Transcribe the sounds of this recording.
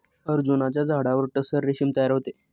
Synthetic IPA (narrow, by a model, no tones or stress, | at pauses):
əɾd͡zunat͡ɕjad͡zʱaɽaʋəɾʈəsəɾːeɕimt̪əjaɾɦot̪e